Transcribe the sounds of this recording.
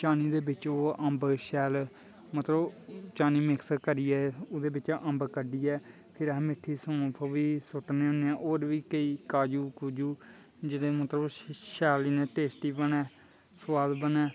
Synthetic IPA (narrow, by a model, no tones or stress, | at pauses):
t͡ʃaːniːd̪eːbɪt͡ʃoːəmbʃɛːl | mət̪ləbt͡ʃaːniːmɪksəkəɾiːɛːʊd̪eːbɪt͡ʃʔəmbkəɖiːɛː | pʰɪɾɦmɪʈʰːiːsõːpʰəʋiːsʊʈneːɦʊneɛ̃ːʔoːɾʋiːkəiːkaːd͡ʒuːkud͡ʒuː | d͡ʒɪdeːmət̪ləbʃɛːlinẽːʈeːsʈiːbənɛː | swaːd̪bənɛː